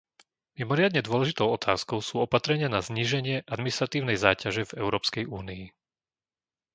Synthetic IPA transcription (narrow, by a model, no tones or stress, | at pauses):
mimɔɾɪad̪ɲɛd̪ʊɔlɛʒit̪ɔʊɔt̪ʰaːskɔʊsuːɔpat̪ɾɛɲɪanazɲiːʒɛɲɪɛʔad̪minist̪ɾat̪iːʊnɛjzaːcaʒɛvɛʊɾɔːpskɛjuːnii